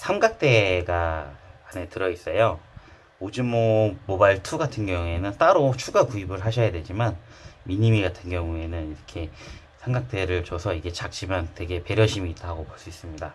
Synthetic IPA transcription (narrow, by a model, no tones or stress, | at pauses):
sʰaŋɡak̚t͈e̞ɡaane̞tɯɾʌis͈ʌjo | od͡ʑɯmʌmobaiɭtʰuɡatʰɯnɡjʌŋue̞nɯnt͈aɾot͡ɕʰuɡakuibɯɭɦaɕʰʌjadwe̞d͡ʑiman | miɲimiɡatʰɯnɡjʌŋue̞nɯniɾʌkʰe̞ | sʰeŋɡak̚t͈e̞ɾɯɭt͡ɕosʰʌiɡe̞t͡ɕak̚t͡ɕ͈imantwe̞ɡe̞pe̞ɾjʌɕʰimiːt͈ɦaɡopoɭs͈uis͈ɯmɲida